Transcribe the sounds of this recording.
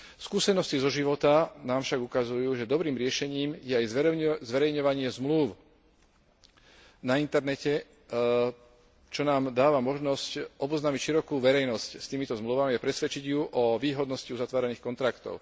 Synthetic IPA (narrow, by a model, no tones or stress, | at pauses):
skuːsɛnɔscizɔʒiʋɔt̪anaːmfʃaɡukazujuːʒɛd̪ɔbɾiːmɾɪɛʃɛɲiːmjɛajzzʋɛɾɛjɲɔʋaɲɪɛzmluʊ | naint̪ɛɾnɛcɛ | t͡ʃɔnaːmd̪aːʋamɔʒnɔscʔɔbɔznaːmicʃiɾɔkuːʋɛɾɛjnɔscst̪iːmit̪ɔzmluʋamiapɾɛsʋɛt͡ʃiɟjuʔɔʋiːɦɔd̪nɔsciuzat̪ʋaːɾɛniːxkɔnt̪ɾakt̪ɔ̰ʊ